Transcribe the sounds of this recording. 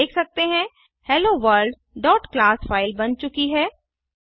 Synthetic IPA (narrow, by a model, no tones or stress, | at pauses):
eːkʰsɐk̚t̪eɦɛ̃ | hɛːloːʋəɾɖ | ɖɔːʈklaːsfaːɪlbɐnt͡ʃʊkiɦɛː